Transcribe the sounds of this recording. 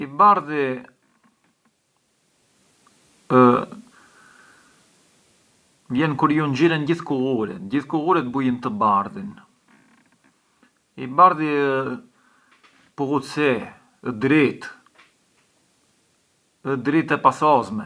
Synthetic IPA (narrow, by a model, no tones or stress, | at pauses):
ibaɾði | ə | vjɛnkuɾjund͡ʑiɾɛnɟiθkuɣuɾḭɟiθkuɣuɾɛt̪bujənt̪əbaɾðin | ibaɾðiə | puɣusɛ | əd̪ɾit̪ | əd̪ɾit̪ɛpasɔzmɛ